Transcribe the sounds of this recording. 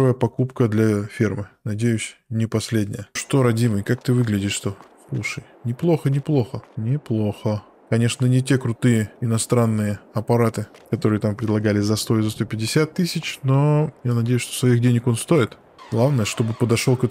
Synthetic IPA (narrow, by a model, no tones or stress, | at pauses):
vəjəpɐkupkəd̪lʲɐfʲirmɨnɐdʲejʉsʲnʲɪpɐsʲlʲedʲnʲɪ̰jəʂt̪o̞ɾɐdʲimɨjkak̚t̪ɨvɨɡlʲɪdʲɪʂʂt̪o̞ | lˠuʂɨj | nʲɪplˠo̞xənʲɪplˠo̞xənʲɪplˠo̞xə | kɐnʲe̞ʂnənʲɪtʲe̞kɾʊt̪ɨjəɪnɐst̪ɾanːɨjəɐpɐɾat̪ɨ | kɐt̪o̞ɾɨjət̪ampɾʲɪd̪lˠɐɡalʲɪzɐst̪o̞ɪzɐst̪opʲɪdʲɪsʲat̪ːɨsʲɪt͡ɕno̞janɐdʲejʊsʂt̪o̥svɐixdʲenʲɪko̞nst̪o̞ɪt̪ | ɡ̥lˠavnəjəʂt̪o̞bɨpəd̪ɐʂolˠkɛ